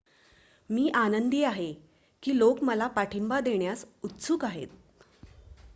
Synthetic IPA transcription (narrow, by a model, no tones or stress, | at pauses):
miːʔanənd̪iːaɦe | kiːlokməlapaʈʰimbad̪eɳjasut̪sukaɦḛt̪̚